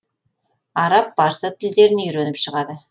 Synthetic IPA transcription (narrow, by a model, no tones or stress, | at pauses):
ɑɾɑp̚bɑɾsət̪ʰɪld̪e̞ɾɪnʏjɾenɪpʃəʁɑd̪ə